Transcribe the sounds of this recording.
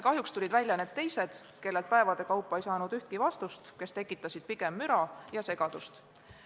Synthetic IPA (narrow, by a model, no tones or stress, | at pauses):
kɑɦjukst̪ulʲid̪vælʲjɑne̞ːd̪̚t̪e̞jse̞d̪̥ | ke̞lːe̞lt̪̚pæevɑd̪̥e̞kɑwpːˑɑejsɑːnud̪yht̪̚kivɑst̪ust̪ke̞st̪e̞kːˑit̪ːˑɑsʲid̪̥̚piɡ̥e̞mːyɾɑjɑse̞ɡ̥ɑd̪̥ust̪